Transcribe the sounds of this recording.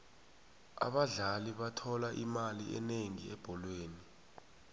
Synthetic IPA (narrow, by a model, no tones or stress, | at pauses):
a̰ɓaɮaliɓatʰɔlaʔimaliʔɛ̰neŋiɛb̥ʱɔlweːni